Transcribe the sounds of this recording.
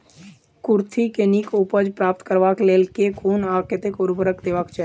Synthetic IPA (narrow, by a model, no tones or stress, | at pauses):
kʊɾt̪ʰikenikʊpəd͡ʒpɾaːp̚t̪kəɾʋaːkleːlkekʰuːnaːkət̪ɪkʊɾbəɾəkd̪eːʋaːkt͡ʃɛ